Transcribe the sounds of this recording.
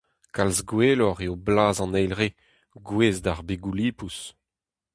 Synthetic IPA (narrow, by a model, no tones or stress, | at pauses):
kalzɡweːlɔʁeoblaːzɑ̃nɛjlʁe | ɡweːzdaʁbeɡuliːpus